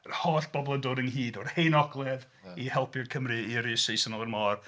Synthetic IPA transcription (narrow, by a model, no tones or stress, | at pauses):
hɔɬb̥ɔblˠədʊdəŋɦiːdɔrhejnɔɡlˠɛð | ihɛlˠpʰɪrkʰəmriiɾiːsejsənɔlˠərmɔːr